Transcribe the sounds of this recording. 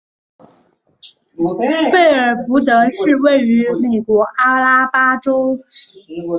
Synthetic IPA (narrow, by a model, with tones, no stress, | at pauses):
fe˥˩ɪə˞˨˩fu˧˥t̪ɤ˧˥ʂɻ̩˥˧we˥˩ɪy˧˥me˨˩ɪkwɔ˧˥ʔa˥la˥pa˥ʈ͡ʂo˥ʊ